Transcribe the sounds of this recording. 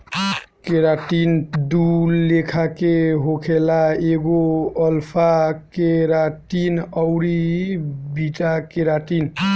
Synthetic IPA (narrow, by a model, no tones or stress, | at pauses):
keɾaʈind̪ulekʰakeɦokʰelaeɡoəlpʰakeɾaʈinəwɾi | biʈakeɾaʈin